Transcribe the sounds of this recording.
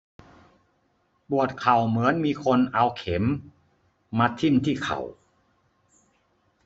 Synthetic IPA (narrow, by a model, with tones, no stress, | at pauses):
bu˨˩ət̪̚kʰa˨˩wmɯ˩˦ənmiː˧kʰo˧nʔa˧wkʰe˩˦mː | a˧t̪ʰːi˥˩mt̪ʰiː˥˩kʰa̰˨˩w